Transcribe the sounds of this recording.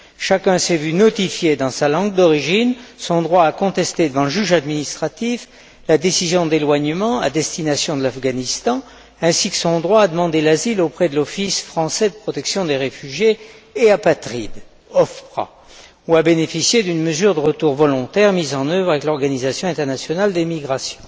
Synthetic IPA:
ʃakɛ̃sɛvynɔt̪ifjed̪ɑ̃salɑ̃ɡd̪ɔʁiʒinsɔ̃d̪ʁwaːkɔ̃t̪ɛst̪ed̪əvɑ̃əʒyʒad̪minist̪χat̪if | lad̪esizjɔ̃d̪elwaɲəmɑ̃a̰d̪ɛst̪inasjɔ̃d̪əlafɡanist̪ɑ̃ | ɛ̃sikə̥sɔ̃d̪ʁwaːd̪əmɑ̃d̪elazilopχɛd̪əlɔfisfχɑ̃sɛd̪əpχɔt̪ɛksjɔ̃d̪eʁefyʒjeːapat̪χid̪ | ɔfpʁa̰ | uabenefisjed̪ynməzyʁd̪əʁət̪uʁvɔlɔ̃t̪ɛʁmizɑ̃nœvʁavɛklɔʁɡanizasjɔ̃ɛ̃t̪ɛʁnasjɔnald̪emiɡʁasjɔ̥̃

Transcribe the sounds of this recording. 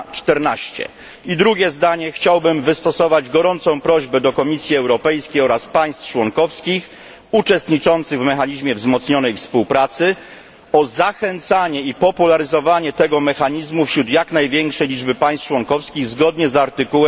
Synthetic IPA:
t͡ʂt̪ɛɾnaɕt͡ɕɛ̰ | id̪ɾuɡʲjɛzd̪aɲɛxt͡ɕawbɘmvɘst̪ɔsɔvad͡ʑɡɔɾɔnt̪sɔ̃w̃pɾɔʑbɛd̪ɔkɔmʲisʲjiɛwɾɔpɛjskʲejɔɾaspaj̃st̪ft͡ʂwɔŋkɔfskʲix | ut͡ʂɛst̪ɲit͡ʂɔnt̪sɘɣvmɛxaɲiʑmʲɛvzmɔt̪sɲɔnɛjfspuwpɾat̪sɘ | ɔzaxɛnt̪saɲɛipɔpulaɾɘzɔvaɲɛt̪ɛɡɔmɛxaɲizmufɕɾut̪jaknajvʲjɛŋkʂɛjlʲid͡ʐbɘpaj̃st̪t͡ʂwɔŋkɔfskʲiɣzɡɔd̪ɲɛzaɾt̪ɘkuw

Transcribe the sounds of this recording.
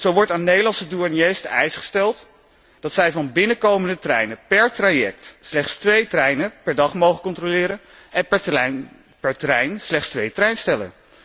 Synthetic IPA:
z̥owʋɔɹtaːnejdəlɑnsəduɑɹnijejsdəɛjsχə̥stɛlˠt | d̥ɑtsɛjvɑnbɪnəkowməndətrɛ̰jnəpɛɹtrajɛk̚tslɛχtstʋejtrɛjnəpɛɹdɑχmowχəkɔntrolɪːɾən | ɛnpɛ | pɛɹtrɛjnslɛχtstʋejtrɛjnstɛlə̰n

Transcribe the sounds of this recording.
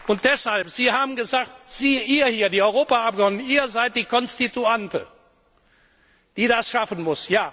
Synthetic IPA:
ʔʊnt̚d̥ɛshalpz̥iːɦaːbm̩ɡəzaːktz̥iːʔiːɐhiːɐdiːɔʏʁoːpaap̚ɡəhɔnəniːɐzaɪt̚d̥iːkʰɔnstituantə̰ | d̥iːdasʃafənmʊsjaː

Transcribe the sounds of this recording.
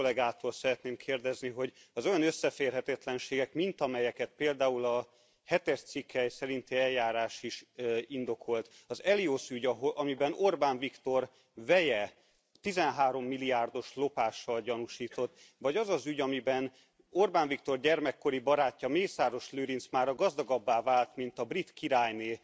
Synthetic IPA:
olɛɡaːt̪oːlsɛɾɛt̪neːmkʰeːrd̪ɛzniɦo̞ɟɒzo̞jɒnøsːɛfeːrɦɛt̪ɛt̪lɛnʃeːɡɛkmint̪ɒmɛjɛkɛt̪̚peːld̪aːulɒ | hɛt̪ɛrt̪sikʰːɛjsɛɾint̪iɛljaːɾaːʃiʃind̪o̞kʰo̞lt̪ɒzɛliosyɟɒɦoʔɒmibɛno̞rbaːɱvikt̪o̞r | vɛjɛ | t̪izɛnɦaːɾo̞mːilijaːrd̪o̞ʃlo̞paːʃːɒlɟɒnuʃiːt̪o̞t̪ː | vɒɟɒzɒzyɟɒmibɛn | o̞rbaːɱvikt̪o̞rɟɛrmɛkːo̞ɾibɒɾaːcːɒmeːsaːɾo̞ʃløːɾinsmaːɾɒɡɒzd̪ɒɡɒbːaːvaːlt̪mint̪ɒbrit̪kiɾaːjneː

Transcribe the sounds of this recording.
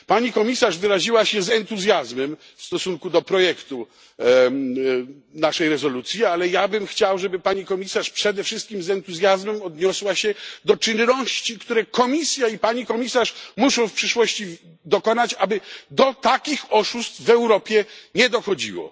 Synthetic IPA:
paɲikɔmʲisaʐvɘɾaʑiwaɕɛzɛnt̪uzʲjazmɛm | fst̪ɔsuŋkud̪ɔpɾɔjɛkt̪u | naʂɛjɾɛzɔlut̪sʲjialɛjabɘmxt͡ɕawʐɛbɘpaɲikɔmʲisaʂpʂɛd̪ɛfʂɘst̪̚kʲimzɛnt̪uzʲjazmɛmɔd̪ɲɔswaɕɛd̪ɔt͡ʂɘnːɔɕt͡ɕikt̪uɾɛkɔmʲisʲjaipaɲikɔmʲisaʂmuʂɔ̃w̃fpʂɘʂwɔɕt͡ɕi | d̪ɔkɔn̪at͡ɕabɘd̪ɔt̪akʲixɔʂust̪vvɛwɾɔpʲjɛɲɛd̪ɔxɔd͡ʑḭwɔ̰

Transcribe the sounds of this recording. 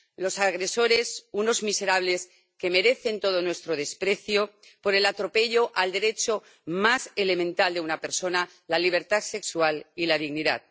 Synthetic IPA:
lo̞saɣɾe̞so̞ɾe̞suno̞zmise̞ɾaβle̞s | ke̞me̞ɾe̞θe̞nt̪o̞ð̞onwe̞st̪ɾoð̞e̞spɾe̞θjo̞ | po̞ɾe̞lat̪ɾo̞pe̞ʎo̞ʔald̪e̞ɾe̞t͡ʃo̞ | masele̞mẽnt̪ald̪e̞unape̞ɾso̞na | laliβ̞e̞ɾt̪at̪se̞kswalilaðiɣniða̰ð

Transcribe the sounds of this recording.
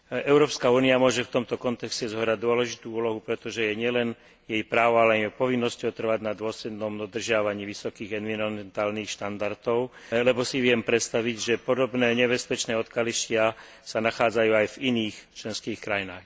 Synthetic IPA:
ɛʊɾɔːpskauːniamʊɔʒɛft̪ɔmt̪ɔkɔnt̪ɛkscɛzɔɦɾaɟ̚d̪ʊɔlɛʒit̪uːuːlɔɦupɾɛt̪ɔʒɛjɛɲɪɛlɛn | jɛjpɾaːʋɔalɛjɛpɔʋinːɔscɔt̪r̩ʋaɟnad̪ʊɔsɛd̪nɔmd̪ɔd̪r̩ʒɪaʋaɲiːʋisɔkiːɣɛnʋiɾɔnɛnt̪aːlniːxʃt̪and̪aɾt̪ɔʊ | lɛbɔsiʋɪɛmpɾɛt̪st̪aʋiɟʒɛpɔd̪ɔbnɛːɲɛbɛspɛt͡ʃnɛːɔt̪kaliʃcɪa | sanaxaːd͡zajuːajviniːxt͡ʃlɛnskiːxkɾajinaːx

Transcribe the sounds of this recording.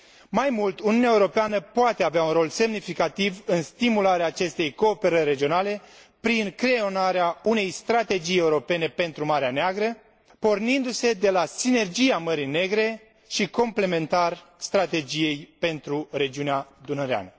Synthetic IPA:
majmult̪uniuneaeuɾo̞peanəpoat̪e̞aveaunɾo̞lse̞mnifikat̪ivɨnst̪imulaɾeaːt͡ʃe̞st̪e̞jko̞ːpe̞ɾərʲːe̞d͡ʒio̞nale̞ | pɾinkɾe̞o̞naɾeaune̞jst̪ɾat̪e̞d͡ʒije̞uɾo̞pe̞ne̞pe̞nt̪ɾumaɾeaneaɡɾə | po̞rnind̪use̞d̪e̞lasine̞rd͡ʒiaməɾijne̞ɡɾe̞ | ʃiko̞mple̞me̞nt̪arʲ | st̪ɾat̪e̞d͡ʒije̞jpe̞nt̪ɾuɾe̞d͡ʒiunead̪unəɾea̰nə

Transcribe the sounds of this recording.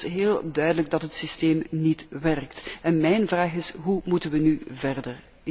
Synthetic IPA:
ɦeːlˠdœɥdələɡ̚dɑtɦətsisteːmnitʋɛrktɛnmɛjnvraːxɪsɦumutənʋənyvɛrdər | ɪ

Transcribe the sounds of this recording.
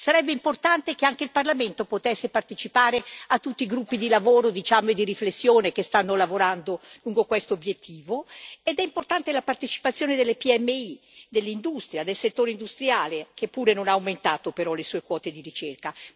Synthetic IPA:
saɾɛbːeimport̪ant̪ekeaŋkeilparlament̪opot̪ɛsːepart̪et͡ʃipaːɾeat̪ːut̪ːiɡɾupːid̪ilavoːɾod̪it͡ʃaːmoed̪iɾiflesːjoːnekest̪anːolavoɾand̪oluŋɡokwest̪objet̪ʰːiːvoed̪ɛimport̪ant̪elapart̪et͡ʃi̥pat̪sːjoːned̪elːepiɛmːei | d̪elːind̪ust̪ɾjad̪elset̪ːoːɾeind̪ust̪ɾjaːlek̟epːuːɾenonaːawment̪aːt̪opeɾɔlesuːekwɔːt̪ed̪iɾit͡ʃerka

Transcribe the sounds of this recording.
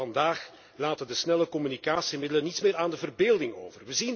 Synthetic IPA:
ɑndaːx | laːtəndəsnɛləkɔmynikaːsimɪdələnitsmɪːɾaːndəvərbeːlˠdɪŋo̰ːvərʋəzin

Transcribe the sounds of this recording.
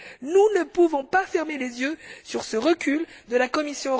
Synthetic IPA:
nunəpuvɔ̃pafɛʁmelezjøsyʁsəʁəkʲyld̪əlakɔmisjɔ̃

